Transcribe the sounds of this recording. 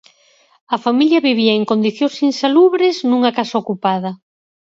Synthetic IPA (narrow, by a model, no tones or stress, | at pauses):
ɐfamiljɐβiβ̞iɐeŋkond̪iθjõsinsaluβɾɪznũŋɐkasaokupað̞ɐ